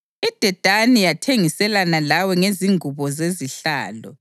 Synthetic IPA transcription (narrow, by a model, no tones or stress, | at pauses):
id̥ʱɛd̥ʱanijatʰeŋisɛlanalawɛŋeziŋʱuβɔzeziɬa̰ːlɔ